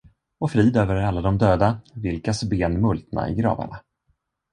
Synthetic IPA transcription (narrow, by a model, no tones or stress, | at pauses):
ɔfɾiːd̪øːvəɾæɾalːad̪ɔmd̪øːd̪avɪlkasbeːnmɵlt̪na̰ɪ̰ɡɾɑ̰ːva̰ɳa